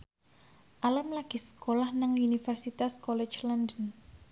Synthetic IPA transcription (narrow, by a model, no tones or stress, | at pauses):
ʔaləmlaɡ̥i̤sə̥kolahnaŋunifɛrsit̪askɔlɛt͡ʃlandən